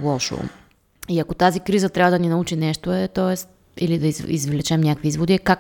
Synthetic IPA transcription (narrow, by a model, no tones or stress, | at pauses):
lˠɔʃo̰ | iɐkot̪azikɾizət̪ɾʲavɐd̪ɐninɐut͡ʃinɛʃt̪oɛt̪ɔɛst̪ | ilid̪ɐizḭzvlɛt͡ʃɛmnʲakviizvod̪iɛkak